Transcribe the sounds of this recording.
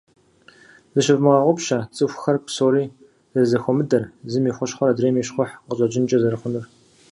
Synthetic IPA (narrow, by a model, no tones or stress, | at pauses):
zɨʃɪvmɨʁɑʁʷʊpʃɐt͡sʼɨxʷxɐrpʰsoːɾiː | zɐzɐxʷɔmɨdɐrzɨmiːχʷʊɕχʷɔɾadreːmiːʃχʷʊħqəɕʼɐd͡ʒɪnt͡ʃʼɐzɐɾɨχʷʊnʊr